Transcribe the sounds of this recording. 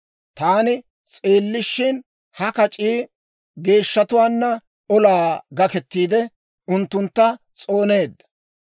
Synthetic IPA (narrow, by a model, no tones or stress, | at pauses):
t̪aːnɪ | t͡sʼeːlːɪʃːɪn | hɐkɐt͡ʃʼiː | ɡe̞ːʃːɐt̪ʊwaːnːɐ | ɔlaːɡɐkɛt̪ːiːd̪ɛ | ʊnt̪ːʊnt̪ːɐ | t͡sʼo̞ːne̞ːd̪ːɐ̥